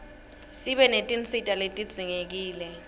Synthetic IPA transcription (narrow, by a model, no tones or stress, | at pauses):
siɓɛnetʼint͡sitʼaletʼid̥z̥ʱiŋek̬iːlɛ